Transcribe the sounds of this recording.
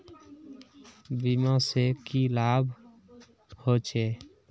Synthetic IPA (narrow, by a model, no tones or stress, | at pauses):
bimãsekilaːbʱ | hot͡ʃʰe